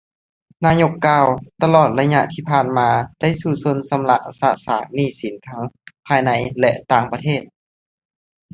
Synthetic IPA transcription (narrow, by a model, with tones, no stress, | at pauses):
naː˧ɲo˧˥kːaː˧˩wt̪a˧lɔː˨˩t̪̚la˧jɲa˧ʔt̪ʰiː˧˩pʰaː˨˩nmaː˧d̥a˥˩jsuː˨˩so˧nsa˧mla˧˥ʔsa˧˥sa̰ː˨˩˦k̚niː˧˩si˨˩˦nt̪ʰa˦˥ŋpʰaː˧jna˧˥jlɛ˧ʔt̪aː˧ŋpa˧t̪ʰeː˥˩t̪̚